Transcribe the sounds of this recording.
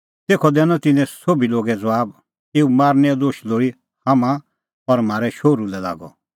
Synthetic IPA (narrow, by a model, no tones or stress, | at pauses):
t̪eːkʰɔd̪ɛnɔt̪ɪ̃nɛ̃soːbiloːɡɛd͡zɐʋaːb | eːumaːɾnɛɔd̪oːʃloːɽi | hamã | ɔɾm̤aːɾɛʃoːɾulɛla̰ːɡɔ̰